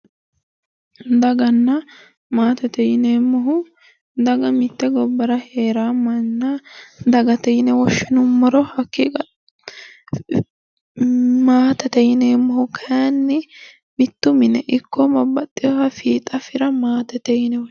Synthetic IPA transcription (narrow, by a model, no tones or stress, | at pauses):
d̪ɐɡɐnːɐ | maːt̪ɛt̪ɛjɪneːmːɔɦʊ | d̪ɐɡɐmɪt̪ːɛɡɔbːɐɾɐheːɾaːmɐnːɐd̪ɐɡɐt̪ɛjɪnɛwɔʃːɪnʊmːɐɾɔhɐkːikɐ | maːt̪ɐt̪ɛjɪneːmːɔhʊkʰanːɪ | mɪt̪ːʊmɪnɛʔɪkːɔmɐbːɐt̪ʼːɪjɔhɐfiːt̪ʼɐfɪɾɐmaːt̪ɛt̪ɛjɪnɛw